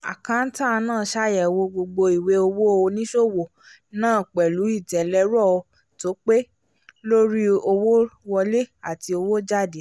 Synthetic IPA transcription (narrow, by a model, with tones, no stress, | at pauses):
a̰˨kã˧n̩˦ta˦˧nãː˦˨ʃa˦˨jɛ˨wo˧ɡ͡bo˧ɡ͡bo˧i˨we˨˦o˧wo˦˧o˧nĩ˦ʃo˦˨wo˨ | nãː˦˨k͡pɛ˨lu˨˦i˦˨tɛ˨lɛ˧˦ɾɔ˦˨o˧ | to˨˦k͡pe˦ | lo˦ɾi˦o˧wo˦wɔ˧le˦a˨ti˧o˧wo˦d͡ʒa˦˨de˨˦